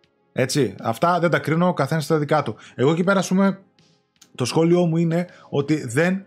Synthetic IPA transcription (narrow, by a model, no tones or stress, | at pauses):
e̞t͡siɐ̰ft̪ɐðed̪ɐkɾino̞kɐθe̞nɐst̪ðɐðikɐt̪ue̞ɣo̞cipe̞ɾɐːspume̞ | t̪o̞sxo̞lio̞muine̞ | o̞t̪iðe̞n